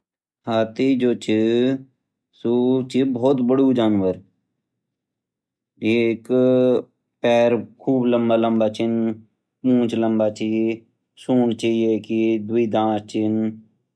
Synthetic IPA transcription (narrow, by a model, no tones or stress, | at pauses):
haːt̪iːd͡ʒoːt͡ʃʰi | sut͡ʃʰibɔːt̪bəɽuːd͡ʒaːnʋəɾ | ek | pɛːɾkʰuːbləmbaːləmbaːt͡ʃʰɪn | pũːt͡ʃləmbaːt͡ʃʰi | suːɳt͡ʃʰijeːkid̪ʊiːd̪ãːst͡ʃʰɪn